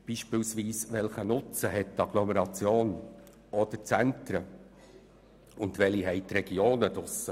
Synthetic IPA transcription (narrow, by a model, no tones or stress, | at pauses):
b̥iːʃpɪlsʋiːsʋɛlχənʊt͡səɦɛtːɑɡ̥lɔmɛɾɑt͡sjoːn | ɔd̥̪ət͡sæntɾə | ʊndʋɛliɦɛɪt̪ɾɛɡ̥joːnədʊsə